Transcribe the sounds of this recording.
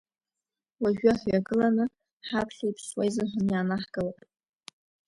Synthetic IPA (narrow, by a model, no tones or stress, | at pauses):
waʒᶣaħjaɡɨlanɨ | ħapʰɬaipʰswajzɨnħʷanjaːnaħɡ̥ɨlapʼ